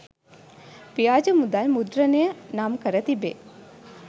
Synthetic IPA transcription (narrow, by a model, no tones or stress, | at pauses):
pijaːd͡ʒəmud̪almud̪ɾənejənamkəɾət̪ibe